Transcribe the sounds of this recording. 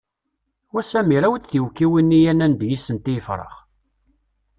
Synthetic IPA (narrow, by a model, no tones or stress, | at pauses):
wæsæmiɾæwt͡s̪θiwkːiwinːijænænd̪jisənt̪ijəfɾˤə̰χ